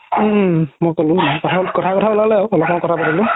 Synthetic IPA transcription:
mɔjkɔlʊ̃kɔtʰakɔtʰakɔtʰabɔlalɛaʊɔlɔpmɔ̃kɔtʰapatilʊ̃

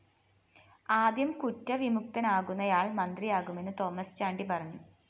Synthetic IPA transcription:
aːd̪jɐmkutːɐʋimuk̚t̪ɐnaːɣunːɐjaːɭmɐnd̪rijaːɣume̞nːɨt̪o̞ːmːɐst͡ɕaːɳɖipɐrɐɲːu

